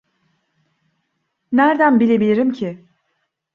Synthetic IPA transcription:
næɾd̪ænbilʲe̞bilʲiɾimcʰɪ

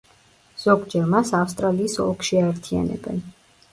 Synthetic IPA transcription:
z̥ɔɡd͡ʒɛɾmasafst̪ʼɾaliːsɔ̰lˠkʰʃiaɛɾt̪ʰia̰nɛ̰bɛ̰n

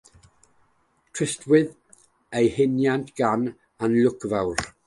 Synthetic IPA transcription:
tʰr̥ɪstʰwɨð | ejhɪnjantʰɡ̥an | anlʊkvawr

